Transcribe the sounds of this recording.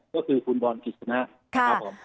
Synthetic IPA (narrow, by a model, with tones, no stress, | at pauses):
kɔː˥˩kʰɯː˧kʰuː˧nbɔː˧nki˨˩t̪̚sʰa˧na˦˥ | kʰa˧˥a˦˥˩pʰːo˩˦m